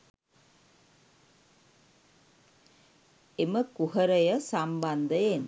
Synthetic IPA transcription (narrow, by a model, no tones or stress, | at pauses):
eməkuɦəɾəjəsamband̪əjen